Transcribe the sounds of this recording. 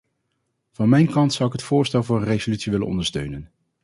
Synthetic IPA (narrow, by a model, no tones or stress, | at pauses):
v̥ɑnmɛjnkɑntsʌwɪkɦətfʊːɹstɛlˠvʊːɹənrejzolytsiʋɪlə̰nɔ̰ndəɹstøɥnən